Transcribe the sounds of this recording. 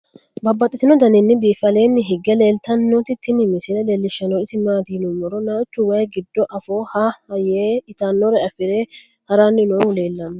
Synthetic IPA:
bɐbːɐt̪ʼːɪt̪ɪnɔd̪ɐnɪnːɪbiːfɐle̞ːnːɪɦɪɡɛle̞ːlt̪ɐnːot̪ɪt̪ːɪnɪmɪsɪlɛle̞ːlːɪʃːɐnoɪsɪmaːt̪iːnʊmːɔɾɔnaːt͡ʃːʊwɐɡɪd̪ːɔʔɐfoːhaɐjeːɪt̪aːnːɔɾɛɐfɪɾeː | hɐɾaːnːɪnoːle̞ːlːɐmːɛ

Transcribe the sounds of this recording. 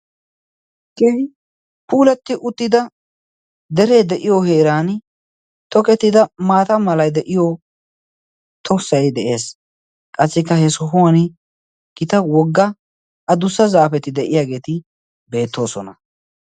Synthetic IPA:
keɪ | puːlɛt̪ːɪʔʊt̪ːɪd̪ɐ | d̪ɛɾe̞ːd̪ɛʔɪjoheːɾaːn | t̪ɔkʼɛt̪ːɪd̪ɐmaːt̪ɐmɐlɐjd̪ɛʔɪjo | t̪ʰɔsɐjd̪ɛʔe̞ːs | kʼɐsːɪkːɐhɛsʊɦʊwɐn | ɡ̥ɪt̪ɐwɔɡːɐ | ʔɐd̪ʊsːɐzaːfɛt̪ɪd̪ɛʔɪjaːɡe̞ːt̪ɪ | be̞ːt̪ːo̞ːsɔnɐ̰

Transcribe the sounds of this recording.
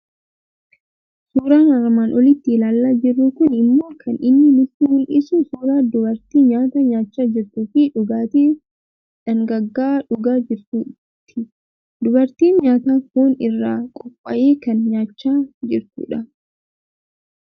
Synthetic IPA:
suːɾaːnɐɾmaːnʔɔlɪt̪ːɪlaːlːaːd͡ʒɪrːukʊnɪmːo̞ːkʰɐnɪnːɪlɪt̪ɪhʊnʔɪsuːsuːɾaːd̪ʊbɐɾt̪iːɲaːt̪ɐɲaːt͡ʃːaːd͡ʒɪɾt̪uːfɪᶑʊɡaːt̪iː | ᶑɐŋɡɐɡːaːᶑʊɡaːd͡ʒɪɾt̪uː | t̪ʰːɪ | d̪ʊbɐɾt̪iːnɲaːt̪aːkuːnɪrːaːkʼɔpʼːɐʔeːkɐnɲaːt͡ʃːaːd͡ʒɪɾt̪ṵːᶑɐ

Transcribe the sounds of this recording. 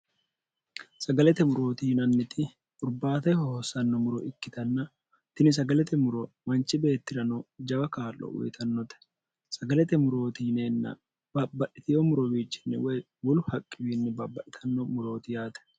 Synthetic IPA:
sɐɡɐlɛt̪ɛmʊɾo̞ːt̪iːnɐnːɪt̪ɪ | ʔʼʊɾbaːt̪ɐjhɔɔsɐnːɐmʊɾɔʔɪkːɪt̪ɐnːɐ | t̪ɪnɪs̬ɐɡɐlɛt̪ɛmʊɾɔ | mɐnt͡ʃɪbe̞ːt̪ːɪɾɐnɔd͡ʒɐbɐkaːlɔ̰wɛ̰t̪ʰɐnːɔt̪ɛ̥ | sɐɡɐlɛt̪ɛmʊɾo̞ːt̪iːneːnːɐ̰ | b̥abːɐᶑɪt̪ɪjɔmʊɾɔwiːt͡ʃːɪ̥nːɪ̰wɛ | wɔlʊhɐkʼːɪwiːnːɪbabːɐʔɪt̪ʰɐnːɔmʊɾo̞ːt̪ɪjaːt̪ɛ̥

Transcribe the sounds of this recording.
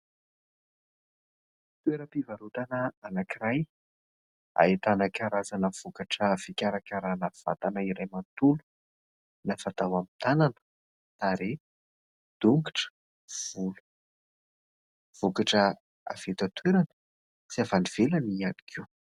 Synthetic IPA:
t̪weɾəpivaɾut̪anəanakiɾaj | a̰et̪anakʲaɾazanəv̥okaʈ͡ʂəvikʲaɾakʲaɾanav̥a̰t̪anaiɾajmant̪ulu̥ | nafat̪awamint̪ananə̥ | t̪aɾe | d̪̥uŋɡiʈ͡ʂə̥ | v̥ulu̥ | v̥okaʈ͡ʂə | a̰v̥et̪at̪weɾanə̥ | t͡siavaniv̥elanianikʰʲiw

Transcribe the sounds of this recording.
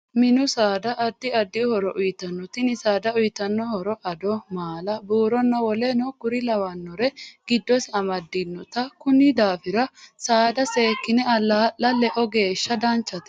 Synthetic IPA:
mɪnʊsaːd̪ɐʔɐd̪ːɪɐd̪ːɪhɔɾɔʔʊjt̪ɐnːɔt̪ɪnɪsaːd̪ɐʊjt̪ɐnːɔhɔɾɔʔɐd̪ɔmaːlɐbuːɾɔnːɐwɔlɛnɔɡ̥ʊɾɪlɐwɐnːɔɾɛɡ̥ɪd̪ːɔsɐmɐd̪ːɪnːɔt̪ɐkʊnːɪd̪aːfɪɾɐsaːd̪ɐseːkːɪnɛɐlːɐʔːɐlɛʔɔɡe̞ːʃːɐd̪ɐnt͡ʃːɐt̪ɛ̥

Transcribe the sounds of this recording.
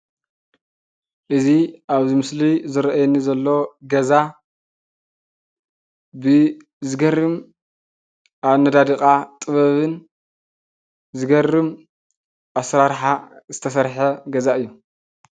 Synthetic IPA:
ʔɨziʔaβzimɨslizɨɾɐʔajenizɐlːo̞ɡɐza | bɨ | zɨɡɐrɨm | ʔaβnɐd̪ad̪ɨkʼat̪ʼɨβɐβɨn | zɨɡɐrːɨm | ʔasɾaɾħazɨt̪ʰɐsɐɾħɐɡɐzaɨjːu

